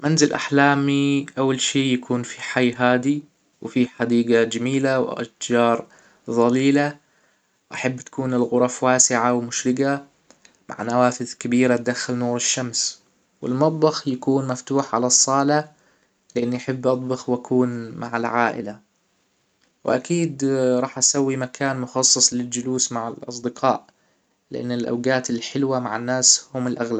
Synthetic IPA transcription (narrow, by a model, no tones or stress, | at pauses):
manzɪlʔa̰ħlaːmiʔawːalʃiːjakʰuːnfiħajːɦaːd̪i | wfiħad̪iːɡad͡ʒamiːlawʔa̰td͡ʒɑːɾˤ | ðˤɑliːla | wʔaħabːt̪ḁkuːnɪlɣʊɾˤɑfwaːsɪʕawmʊʃɾɪɡa | ma̰ʕnawaːfɪðkabiːɾat̪̚d̪axːalnuːɾɪʃːams | wɪ̰lmɑt̪ˤbɑxjakuːnmaft̪uːħʕa̰lɑsˤːɑːla | lɪʔanːʔaħabːʔɑt̪ˤbɑxwʔakʰuːnma̰ʕɪlʕaːʔɪ̰la | wʔakiːd̪ɾˤɑːħʔasawːimakʰaːnmʊxɑsˤːɨsˤlɪld͡ʒʊluːsmaʕɪlʔɑ̰sˤd̪ɪqʰɑːʔ | lɪʔa̰nːɪlʔa̰wɡaːt̪ɪlħɪlwama̰ʕanːaːshʊmɪlʔaɣlab